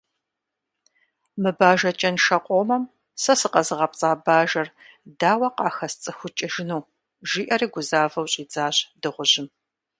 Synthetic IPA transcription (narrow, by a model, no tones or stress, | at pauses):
mɨbaːʒɐt͡ʃʼɐnʃɐqʷʼoːmɐm | sɐsɨqɐzɨʁɐpʼt͡sʼaːbaːʒɐr | daːwɐqɑːxɐst͡sʼɨxʷʊt͡ʃʼɪʒɪnuw | ʒiːʔɐriːɡʷʊzaːvɐwɕʼiːd͡zaːɕdɨʁʷʊʑɪm